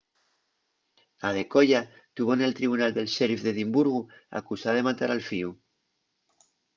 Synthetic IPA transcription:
aðe̞ko̞ʝat̪uβone̞lt̪ɾiβ̞unald̪e̞lʃeɾfðe̞ðimbuɾɣ̞ua̰kusaðe̞mat̪aɾalfiu

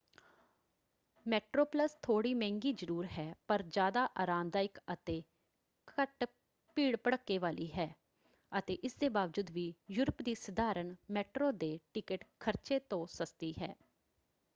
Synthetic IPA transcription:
mɛːʈɾoːpləst̪ʰoːɽiːmɛ̃ːŋɡiːd͡ʒəɾuːɾɦɛːpəɾd͡ʒjaːd̪aːʔaːɾaːmd̪aːɪkət̪eː | kʰəʈ | piːɽpəɽəkːeːʋaːliːɦɛː | ət̪eːʔɪsd̪eːbaːʋd͡ʒud̪ʋiːjʊɾəpd̪iːsəd̪aːɾənmɛːʈɾoːd̪eːʈɪkəʈkʰəɾt͡ʃeːt̪õːsəst̪iːɦɛ̰ː

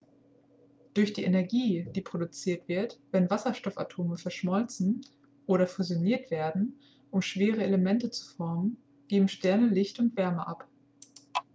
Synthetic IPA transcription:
d̥ʊɐçd̥iːʔenɛɐɡiːd̥iːpʁ̥odut͡siːɐtv̥ɪɐtv̥ɛnvasɐʃtɔfa̰tʰoːməfɛɐʃmɔlt͡sn̩ | ʔoːɾɐfuzjoniːɐtv̥eːɐdn̩ | ʔʊmʃv̥eːʁ̞əeləmɛntət͡su̥fɔɐmən | ɡ̥eːbm̩ʃtɛɐnəlɪçtʊntv̥ɛɐməʔap

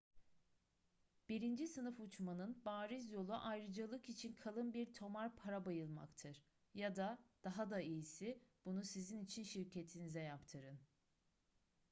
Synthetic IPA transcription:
b̥iɾind͡ʒisɯnɯfut͡ʃmanɯnbaːɾizjo̞lˠuʔajɾɯd͡ʒalˠɯkit͡ʃʰinkʰalˠɯnbiɾt̪ʰo̞maɾpʰaɾabajɯlˠma̰kt̪ʰɯɾ̥ | jad̪ad̪̥aɦad̪aijisib̥unusizinit͡ʃʰinʃiɾcʰe̞t̪ʰinizɛjapt̪ʰɯɾɯn

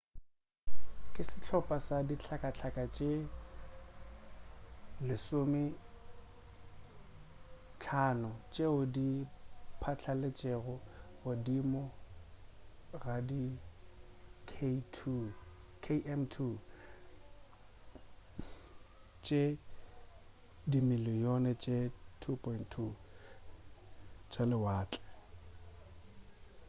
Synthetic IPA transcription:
kʼɪsɪt͡ɬʰɔpʼasadit͡ɬʰakʼat͡ɬʰakʼat͡ʃʼe | lɪsomɪ | t͡ɬʰaːnʊt͡ʃʼeʊdipʰat͡ɬʰalet͡ʃʼeɣʊɣʊdimɔ | radi | kʰtʰ | kʰeɛmtʰu | t͡ʃʼe | dimilijonɛt͡ʃʼetʰupʰʼɔintʰːu | t͡ʃʼalɪwaːt͡ɬʼɛ̥

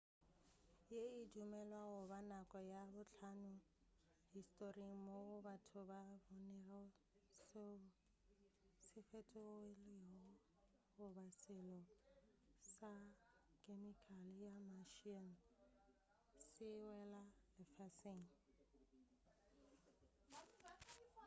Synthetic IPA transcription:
jeidumɛlwaɣʊbanakʼɔjabʊɬʰanʊhistʼoriŋ̩moʊbatʰʊbabɔnɛrɔ | s | sɪfɛtʼɔeleɔ | hʊbasɪlɔ | sakʼemikʰʼaljamaʃin̩ | sɪwɛlalɪfɛsɪŋ̩

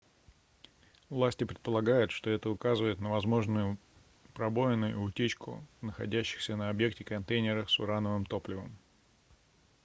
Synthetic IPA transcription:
vlˠasʲtʲɪpɾʲɪt̪̚pəlˠɐɡajʊt̪ʂt̪o̞ɛt̪əʊkazɨvəɪt̪nəvɐzmo̞ʐnʊjʊ | pɾɐbo̞jɪnʊjʊ̰ːtʲet͡ɕkʰʊ̰nəxɐ̰dʲæɕːɪ̥xsʲənəɐbje̞ktʲɪkɐnt̪ejnʲɪɾəfsʊɾanəvɨmt̪o̞plʲɪvə̰m

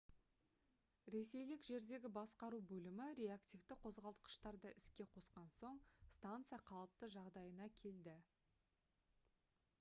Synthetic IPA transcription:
ɾe̞se̞jlɪkʒe̞ɾd̪e̞ɡʲɪbɑsqɑɾubɵlɪmɪɾejakt̪ʲift̪ɪqʰo̞zʁɑlˠt̪̚qə̥ʃt̪ɑɾd̪əʔɪskʲe̞qʰo̞sqɑnso̞ɴst̪ant̪sɨjaqʰɑlˠəp̚t̪əʒɑʁd̪ɑjənɑkʲʰe̞ld̪ɪ

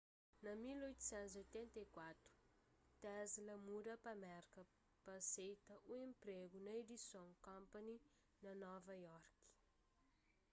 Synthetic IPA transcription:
namilojt̪u̥sɛ̃nt̪zojt̪ɛ̃nt̪ekwat̪u̥ | t̪azilamuɾapamɛɾkə | pasejt̪əʔuẽmpɾeɡunaed̪isjõŋkãmpani | nanɔvajɔrki̥

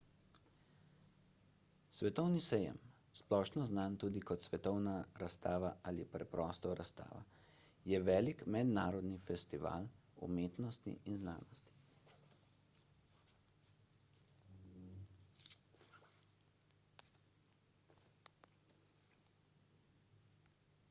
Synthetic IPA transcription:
sʋɛt̪ɔwnisɛjɛ̰m | splɔːʃnɔznant̪uːd̪ikɔt̪sʋɛt̪ɔwnaɾast̪aːʋaʔalipɾɛpɾɔst̪ɔɾast̪a̰ːʋa̰jɛʋɛːlikmɛd̪naːɾɔd̪nifɛst̪iʋa̰ːlṵmeːt̪nɔst̪ḭʔinzna̰ːnɔst̪i̥

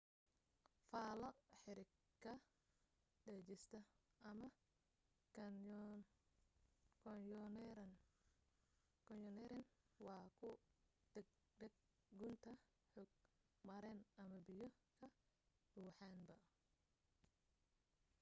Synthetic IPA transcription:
faːlɐħɪɾɪ | kʰːɐ | ɖɛt͡ʃɪst̪ʰɐɐmɐ | kʰɔnjɔnɛɾɛnwɑːkʰʊ̥ | ɡ̚ | ɖɐɡ̚ | ɡʊnt̪ʰɐ | ħɔɡ̚ | mɐɾɛnɐmɐbɪjɔkʰɐ | ɖuːħaːnbɐ

